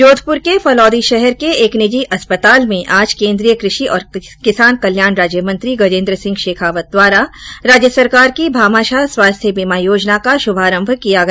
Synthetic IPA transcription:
joːd̪ʰʱpʊɾkefʰɐlɔːd̪iʃɛɦɛɾkeeːknɪd͡ʒiʔɐspət̪aːlmẽʔaːd͡ʒkẽːnd̪ɾijəkɾɪʃiʔɔːɾkɪsaːnkɐljaːnɾaːd͡ʒjəmɐ̃nt̪ɾiɡɐd͡ʒẽːnd̪ɾəsɪ̃ŋɡʃeːkʰaːʋət̪̚d̪waːɾaɾaːd͡ʒjəsɐɾkaːɾkibʱaːmaːʃaswaːst̪ʰjəbiːmaːjoːd͡ʒnakaʃʊbʱaːɾə̃mbʱkijaɡɐ

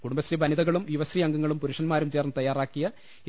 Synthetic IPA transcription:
kuɽumbɐsribɐniðɐɣɐɭumjuʋɐsriɐŋɡɐŋːɐɭumpuɾuʂɐnmaːɾumt͡ɕeːrnːɨt̪ɐjːaːraːkːijɐ

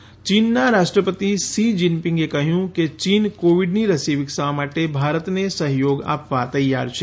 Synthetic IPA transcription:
t͡ʃiːnːaɾaːʃʈɾəpət̪isiːd͡ʒɪmpɪ̃ŋɡekɐɦjũket͡ʃiːnkoːʋɪɖniɾəsiːʋɪksɐamaːʈebʱaːɾət̪nesəɦjoːɡa̰ːpʋat̪ɐja̰ːɾt͡ʃʰe

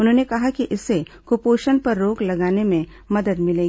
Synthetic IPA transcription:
ʊnɦõːnekɐɦakiʔɪsːekopoːʃənpɐɾːoːklɐɡaːnemẽ | mɐd̪əd̪mɪleːɡi

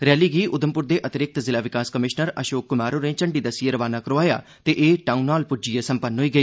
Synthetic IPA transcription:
ɾɛːliːɡiːʔʊd̪əmpʊɾd̪eːʔət̪ɪɾɪk̚t̪zɪlaːʋɪkaːskəmɪʃnəɾəʃoːkːʊmaːɾoːnẽːt͡ʃəɳɖiːd̪əsieɾəʋaːnaːkəɾoːaːja̰ː | t̪eːʔeːʈaːunːaːlpʊd͡ʒiːaːsəmpənːɦoːiːɡəiː

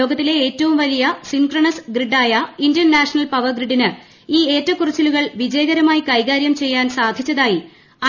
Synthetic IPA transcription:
oːɡɐt̪ːile̞eːtːɐʋumʋɐlijɐsiŋkrɐɳɐsɡriɖːaːjɐindɐnnaːʂɐnɐlpɐʋɐrɡriɖːinɨ | iːe̞ːtːɐkurɨt͡ɕːɐluɣɐɭʋid͡ʑɐjɐɣɐɾɐmaːjikɐjɣaːɾjɐmt͡ɕe̞jːaːnsaːd̪ʱjit͡ɕːɐðaːji | ɐ

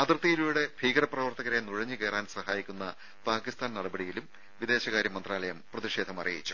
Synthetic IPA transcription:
ɐd̪rɨt̪ːijiluːɽe̞bʱiːɡɐɾɐprɐʋɐrt̪ɐɣɐɾenuɻɐɲːɨke̞ːraːnsɐhaːjikʲːunːɐ | paːkist̪aːnnɐɽɐbɐɽijilum | ʋid̪e̞ːɕɐɣaːɾjɐmːɐnd̪raːlɐjɐmprɐðiʂe̞ːd̪ʱɐmɐ̰rḭjɐ̰jḭt͡ɕːu̥

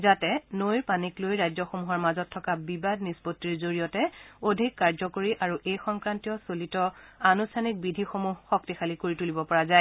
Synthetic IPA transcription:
zatɛnojɹpaniklojɹajzɔxomuɦɔɹmazɔtʰːɔkabibadnispotːiɹzoɹijɔtɛodʱikːaɹzɔkoɹiʔaɹuʔejxɔŋkɹantiɔsolitɔanustʰanik̚bidʱixomuɦxɔk̚tixʰalikoɹitulibɔpɔɹazaj

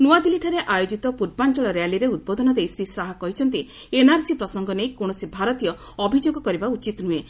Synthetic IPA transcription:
nuad̪iliʈʰɔɾeʔajod͡ʒit̪ɔpuɾbant͡ʃɔɭɔɾejaliɾeud̪̚bod̪ʱɔnɔd̪ejsɾisaɦakɔɦit͡ʃʰɔnt̪̬i | enaɾsipɾɔsɔŋɡɔnejkoɽ̃ɔsibʱaɾɔt̪ijɔː | bʱid͡ʒoɡɔkɔɾibaut͡ʃit̪nue

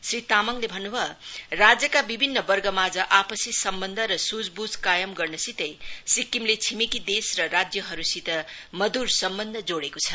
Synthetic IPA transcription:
srit̪amʌŋlebʱʌnːubʱʌrad͡zjʌkabibʱinːʌbʌrɡʌmad͡zʌʔapʌsisʌmbʌnd̪ʱʌɾʌsud͡zbud͡zkajʌmɡʌrnʌsit̪ʌjsikːimlet͡sʰimikid̪esrʌrad͡zjʌɦʌɾusit̪ʌmʌd̪ursʌmbʌnd̪ʱʌd͡zoɽekot͡sʰʌ̥

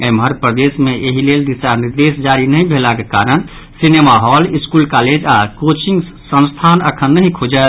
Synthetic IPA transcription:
emɦəɾpɾəd̪esmeʔeɦileld̪isaniɾd̪esd͡ʒaɾinəĩbʱelakekaɾən | sinemaɦɔliskulkaled͡ʒakot͡ʃiŋɡ | sə̃nst̪ʰanəkʰənːəɦĩkʰod͡ʒət̪

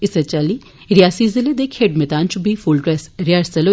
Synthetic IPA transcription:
ɪsət͡ʃaliː | ɾjaːsizɪled̪ekʰeːʈmɛt̪aːnt͡ʃubʱifʰulɖɾɛsɾɪjaːɾsɐloː

